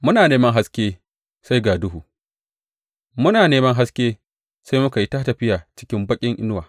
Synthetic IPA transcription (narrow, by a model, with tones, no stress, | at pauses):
mʊ˦naː˨neː˦mɐ˦ŋɦa˦skʲeː˦ | sa˦jɡaː˨dʊ˦ɦuː˨ | mʊ˦naː˨neː˦mɐ˦ŋɦa˦skʲeː˦ | sa˦jmʊ˦ka˨ji˦taː˦tɐ˨ɸɪ˦jaː˨t͡ʃɪ̥˦kʲɪ˦mbɐ˦kʲʼɪ˦ŋʔɪ˦n˦waː˨